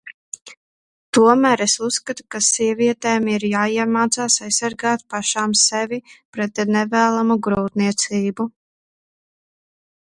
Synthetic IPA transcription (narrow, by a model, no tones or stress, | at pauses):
t̪uɔmæːɾesusːkat̪u̥kasiɛviɛt̪ɛːmiɾjaːiɛmaːt̪saːsajsːaɾɡaːt̪̚paʃaːmsevipɾɛt̪nɛvæːlˠamuɡɾuːt̪niɛt̪siːbu